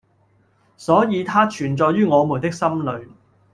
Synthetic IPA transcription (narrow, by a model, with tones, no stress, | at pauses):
sɔː˨˥jiː˨˧t̪ʰaː˥t͡ʃʰyː˨˩nt͡sɔː˧jɥyː˥ŋɔː˨˧mu˨˩nt̪ɪ˥k̚sɐ˥mlɵ˨˧ɥ